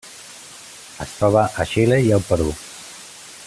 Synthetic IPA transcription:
əst̪ɾɔβəʔəʃileiəlˠpəɾu

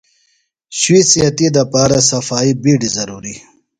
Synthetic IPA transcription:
ʃwisijat̪id̪apɑːɾasafɑːibiɖizaɾuɾi

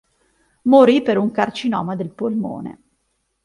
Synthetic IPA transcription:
moɾipeɾuŋkart͡ʃinɔ̰ːmad̪elpolmo̰ːnḛ

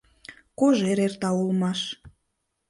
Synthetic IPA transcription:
koʒeɾert̪ɑulmɑʃ

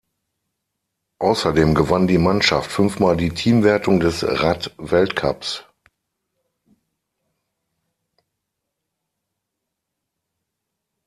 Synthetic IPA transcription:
ʔaʊsɐdeːmɡəvandiːmanʃaftfʏnfmaːldiːtʰiːmvɛɐtʰʊŋdɛsʁatvɛltkʰa̰ps

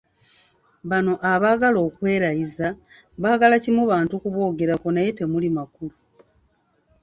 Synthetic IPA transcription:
βano̞ʔaβaːɡalo̞ːkwe̞ːɾajiza | βaːɡalacimuβaːntukuβwo̞ːɡe̞ɾakonaje̞te̞mulimakulu

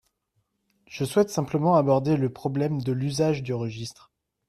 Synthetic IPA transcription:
ʒ̥əswɛt̪sɛ̃pləmɑ̃abɔʁd̪eləpχɔblɛmd̪əlyzaʒd̪yʁəʒist̪χ

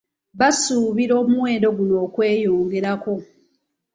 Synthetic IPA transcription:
βasuːβiɾo̞ːmuwe̞ːndo̞ɡuno̞ːkwe̞ːjoːŋɡe̞ɾako̞

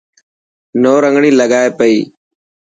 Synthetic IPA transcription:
noːɾəŋɡɳiːləɠaːeːpəiː

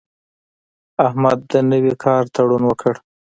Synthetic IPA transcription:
ahmad̪ːənəwikʰɑɾt̪aɽunwəkʰəɽ

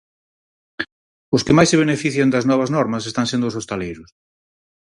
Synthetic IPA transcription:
ʊskɪmajseβ̞enefiθjɐnd̪ɐznɔβɐznɔɾmɐsest̪ãŋsend̪ʊsost̪alejɾʊs

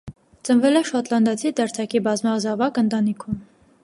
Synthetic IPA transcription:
t͡sənvɛlɛʃɔt̪lɑnd̪ɑt͡sʰid̪ɛɾt͡sʰɑkibɑzmɑzɑvɑkənt̪ɑnikʰum

